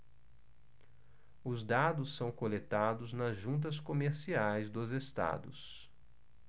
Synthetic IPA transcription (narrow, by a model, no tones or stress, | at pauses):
ʊzd̪ad̪ʊsːɐ̃w̃kolet̪ad̪ʊznɐzʒũnt̪̬ɐskomeɾsiajzd̪ʊzest̪a̰d̪ʊ̰s